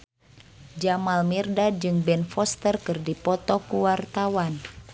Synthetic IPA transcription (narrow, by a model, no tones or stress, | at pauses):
d͡ʒamalmirdad͡ʒɨŋbɛnfɔst̪ərkɨrdipɔt̪ɔkuwart̪awan